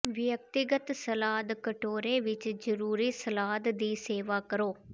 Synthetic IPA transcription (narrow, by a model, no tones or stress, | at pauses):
ʋɪjək̚t̪ɪɡət̪səlaːd̪kəʈoːɾeːʋɪt͡ʃd͡ʒəɾuːɾiːsəlaːd̪d̪iːseːʋaːkəɾoː